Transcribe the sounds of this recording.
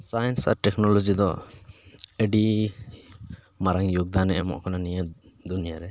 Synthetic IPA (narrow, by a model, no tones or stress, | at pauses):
sajnsa̰ɾʈɛknɔlɔd͡ʒid̪ɔ | əɖi | maɾaŋjuɡ̚d̪anɛɛmɔ̰ʔkʰananijə | d̪unijaɾɛ